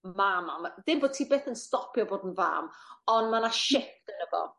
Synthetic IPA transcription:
mamamðɪmboːd̚tʰiːbeːθənstɔpʰjɔboːdən̩va̰ːmɔnmanaʃɪkd̥ənəvɔ̰

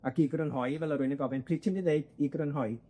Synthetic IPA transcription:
akiɡrənɦɔjvɛlˠəɾʊɨnəɡɔvɛnpʰriːtʰɪmdiðeɨd̥iɡrənɦɔj

